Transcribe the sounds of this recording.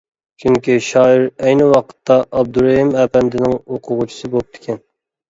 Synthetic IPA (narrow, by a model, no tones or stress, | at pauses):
t͡ʃʰyŋkʲiʃɑːiɾɛjnɪwɑqʰə̥t̪ʰːɑʔːb̚d̪uɾeɦimæːpɛnd̪ɪnɪŋoqʰʊʁʊt͡ʃʰi̥sɨbop̚t̪ʰɪ̥kʲʰɛn